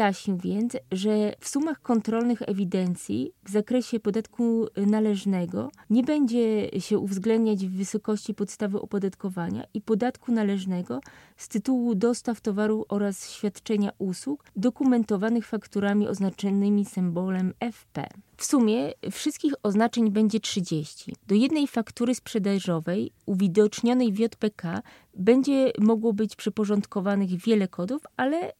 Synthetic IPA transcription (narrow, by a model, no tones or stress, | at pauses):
jaɕɲiwvʲjɛnt̪sʐɛfsumaxkɔnt̪ɾɔlnɘxɛ̰vʲid̪ɛnt̪sʲjḭvzakɾɛɕɛpɔd̪at̪kunalɛʐnɛɡɔ̰ɲɛbɛɲd͡ʑɛɕɛʔuvzɡlɛnd̪ɲad͡ʑvːɘsɔkɔɕt͡ɕipɔt̪st̪avɘʔɔ̰pɔd̪at̪kɔvaɲa̰ʔipɔd̪at̪kunalɛʐnɛɡɔ | st̪ɘt̪uwud̪ɔst̪aft̪ɔvaɾufɔɾasɕfʲjat̪t͡ʂɛɲaʔuswukd̪ɔkumɛnt̪ɔvanɘxfakt̪uɾamʲiʔɔ̰znat͡ʂɔnɘmʲisɛmbɔlɛmɛfpɛ̰fsumʲjɛfʂɘst̪̚kʲixɔznat͡ʂɛɲbɛɲd͡ʑɛtʂɘd͡ʑeɕt͡ɕḭd̪̥ɔjɛd̪nɛjfakt̪uɾɘspʂɛd̪aʐɔvɛjuvʲid̪ɔt͡ʂɲɔnɛjvʲjɔt̪pɛkʰa | bɛɲd͡ʑɛmɔɡwɔbɘt͡ɕpʂɛpɔʐɔnt̪kɔvanɘɣvʲjɛlɛkʰɔd̪ufalɛ